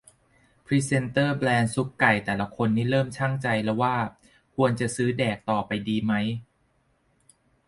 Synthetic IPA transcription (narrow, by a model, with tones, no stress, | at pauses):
pʰɾi˦˥se˧nt̪ɤː˥˩blɛː˧nsu˦˥kːa˨˩jt̪ɛː˨˩la˧˦kʰo˧nːiː˥˩ɾɤː˥˩mt͡ɕʰa˥˩ŋt͡ɕa˧jlɛ˦˥wːaː˥˩ | kʰu˧ənt͡ɕa˨˩sɯː˦˥dɛː˨˩k̚t̪ɔː˨˩pa˧jdiː˧ma˦˥j